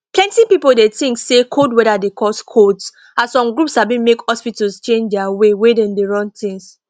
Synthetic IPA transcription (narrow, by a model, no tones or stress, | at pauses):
plɛ̃ntipipoldetĩŋksekʰodwɛɾadekʰɔskʰots | ãsɔ̃mɡɹupshabĩnmekhɔspitalst͡ʃẽnd͡ʒdɛawewedɛ̃ndeɹɔ̃ntĩŋs